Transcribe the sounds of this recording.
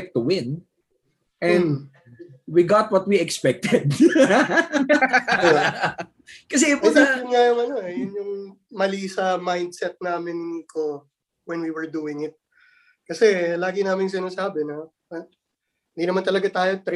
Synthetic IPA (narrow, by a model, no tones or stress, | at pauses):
k̚t̪ʊwɪ̃n | ʔɛ̃ | wiɡat̪̚wɐt̪̚wiɛkspɛk̚t̪ɛd̪ | kɐs̬ɛɐsaɪnŋajʊŋɐno̞ɐjʊnjʊŋ | mɐliːsɐmajnd̪̚sɛt̪̚naːmɪnko | wɛnwiwɛɹd̪uːɪŋɪt̪̚ | kɐsɛlaːɡɪnaːmɪŋs̬ɪnasaːbɛnɐ | hɪnd̪inɐmant̪ɐlɐɡat̪aːjo̞t̪ɾ